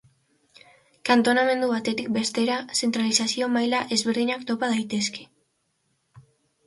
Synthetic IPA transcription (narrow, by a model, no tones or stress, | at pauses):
kant̪o̞name̞nd̪uβat̪e̞t̪ik̚be̞st̪e̞ɾase̞nt̪ɾalisasio̞majlaʔe̞zβe̞ɾðiɲakt̪o̞pað̞ajt̪e̞ske̞̥